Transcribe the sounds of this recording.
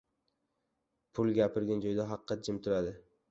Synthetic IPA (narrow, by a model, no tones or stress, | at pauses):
pʰʊlˠɡʲapʰɪɾɡʲand͡ʒɒjd̪aɦɑqʰːɑt̪̚d͡ʒɪmt̪ʰʊlad̪ɪ